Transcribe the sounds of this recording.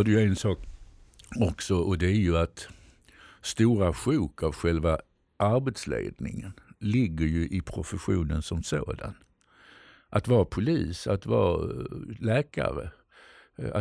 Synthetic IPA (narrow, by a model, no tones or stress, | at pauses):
ɖɛjɵɛnsɑːk | ɔksɔʔɔd̪ɛæɾjɵat̪ | st̪uːɾaɧʉːkavɧɛlva | ʔaɾbɛt̪slḛːd̪nɪ̰ŋənlɪɡːəɾjɵʔɪpʰɾʊfəɧuːnənsɔmso̰ːd̪a̰n | ʔat̪vɑːɾapʰʊliːsat̪vɑ̰ː | lɛːka̰ɾə̰ | a̰